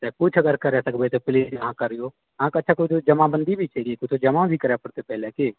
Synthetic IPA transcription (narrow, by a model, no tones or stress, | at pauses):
t̪ɛkʊt͡ʃʰɐɡəɾkəɾɛsəkbet̪epɪleːd͡ʒɦãkəɾijo | ãkətːʃʰakʊt͡ʃd͡ʒəmãbə̃nd̪ibʱit͡ʃːeɡiekʊt͡ʃʰt̪od͡ʒɐmãbʱikɐɾɛpəɽt̪epɛɦleke